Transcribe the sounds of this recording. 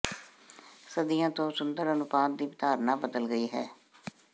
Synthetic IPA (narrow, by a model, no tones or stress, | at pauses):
səd̪ijãːt̪õːsʊnd̪əɾənʊpaːt̪d̪iːbɪt̪aːɾnãːbəd̪əlɡəiːɦɛː